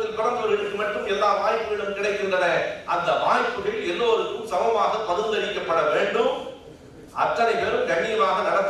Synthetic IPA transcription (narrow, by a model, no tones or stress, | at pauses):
ðɪnkɔɭɐnd̪ɪjɔɾɪɾɯkːɯmɐʈrɯmɛlːaːʋaːjpːɯɣɐɭɯmkɪɽɐɪkːɪndrɐnɐɐnd̪ɐʋaːjpːɯɣɐɭɛlːoːɾɯkːɯmsɐmɐmaːɣɐpːɐðɯnd̪ɐɭɪkːɐpːɐɽɐʋeːɳɖɯm | ʔɐʈrɐnɐɪpeːɾɯmɡ̪ɐnːiːʋaːɣɐnɐɽɐt̪ː